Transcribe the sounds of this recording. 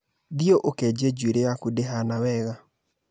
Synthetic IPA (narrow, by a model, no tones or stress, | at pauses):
ðioʔokɛd͡ʒed͡ʒweɾejakudeɦanawɛɣa